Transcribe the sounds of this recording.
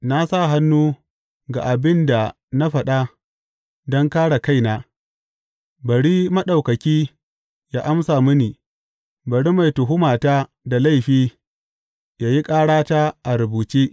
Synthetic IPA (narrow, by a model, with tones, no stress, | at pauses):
na˦sa˦˨ɦa˦nːuː˦ | ɡa˨ʔa˨bɪ˦nda˨ | na˦ɸɐ˨ɗa˦ | dɔ˦ŋkaː˦ɽa˨ka˦˨jnaː˦ | bɐ˨ɽiː˦mɐ˦ɗa˨wkɐ˨kʲiː˦ | ja˦ʔa˦msaː˨mʊ˦niː˨ | bɐ˨ɽi˦ma˨jtʊ˨ɦʊ˦maː˨taː˦ | da˨la˦jɸiː˦ | jaː˦ji˦kʼaː˦ɽaː˦taː˦ʔa˨ɾʊ˨buː˨t͡ʃeː˦